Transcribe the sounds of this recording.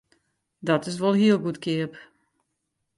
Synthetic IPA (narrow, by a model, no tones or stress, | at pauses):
dɔtɪs̬ʋolˠɦiəlˠɡutkʰɪəp